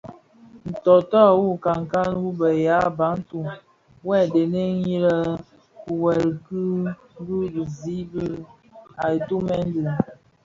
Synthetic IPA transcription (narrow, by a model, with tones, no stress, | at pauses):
n̩˨tɔ˨tɔ˦˨wu˦˨ka˨ŋ˨ka˦nwu˦bə˨ja˦ba˨˦n̩˦tu˦˨ | wɛ˦˨de˨ne˦i˦lə˦ | ku˨wɛ˨ɾkɨ˦ | bu˦bi˨zi˨˦bi˦ | a˨i˨tu˦mɛ˦n˦dɨ˨